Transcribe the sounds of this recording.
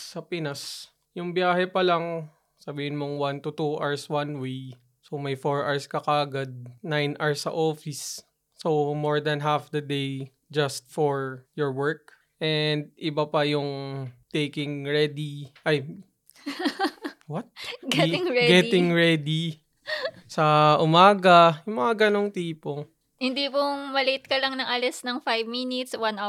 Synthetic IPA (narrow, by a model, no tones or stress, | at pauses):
ɐpɪnas | jʊŋbjaːhɛpɐlɐŋ | sɐbiːhɪnmoŋwant̪ʊt̪uʔaɹswanwej | somɐjfoɹʔaɹskɐkaːɡɐd̪̚najnʔaɹsɐ̰ʔoːfɪsː | owmoɹd̪ɐnɦafd̪ɐd̪ej | d͡ʒɐst̪̚fɔɹjɔɹwɛɹk̚ | ʔɛnd̪̚ʔɪbapɐjʊŋt̪ejkɪŋɹɛd̪iʔɐj | wɐt̪̚ɡɛɪŋɛɡɛt̪ɪŋɹɛd̪i | sɐʔʊmaːɡɐjʊŋmɐŋaɡɐnoŋt̪iːpo | hɪnd̪ipʊŋmɐlit̪̚kɐlɐŋnɐŋʔɐlɛsnɐŋfajvminɪt̪swɐna